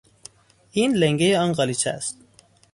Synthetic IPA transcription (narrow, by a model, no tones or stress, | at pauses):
iːnleŋɡejeɒnɢɒlit͡ʃʰæ̰st̪